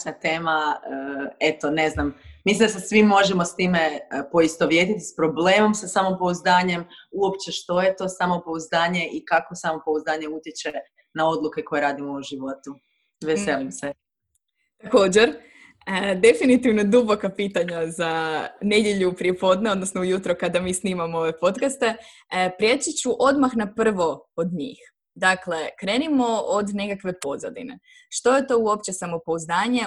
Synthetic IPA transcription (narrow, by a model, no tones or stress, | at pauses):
nat̪eːmaəe̞t̪o̞ne̞znamːislind̪as̬asʋimːo̞ʒemo̞st̪iːme̞po̞ist̪o̞ʋjet̪it̪ispɾo̞bleːmo̞msasamo̞mpo̞uzd̪aːɲe̞muopt͡ʃe̞ʃt̪o̞je̞t̪o̞ːsamopouzd̪aːɲe̞ʔikako̞samo̞pouzd̪aːɲe̞ut̪jet͡ʃe | nao̞d̪lˠuke̞ko̞jeɾaːd̪imouʒiʋo̞t̪u | ʋeselimse | t̪ako̞ːd͡ʑeɾ | əd̪e̞finit̪iʋnod̪ubo̞kapiːt̪aɲazane̞d̪je̞ʎupɾiepo̞ːd̪ne̞o̞d̪nosnoujut̪ɾokad̪amiːsniːmamoo̞ʋe̞po̞t̪kast̪e̞ | pɾjet͡ʃit͡ɕuʔo̞d̪maxnapr̩ʋo̞od̪ɲḭːx | d̪akle̞kɾe̞ːnimo̞od̪ne̞kakʋe̞po̞za̰d̪ḭne̞̰ | ʃt̪o̞jet̪o̞uo̞pt͡ɕe̞samo̞pouzd̪aːɲe